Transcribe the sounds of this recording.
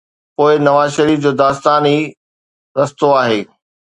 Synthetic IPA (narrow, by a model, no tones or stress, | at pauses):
poːɪnɐʋaːzʃɐɾiːfd͡ʑoːd̪aːst̪aːni | ɾɐst̪oaːɦeː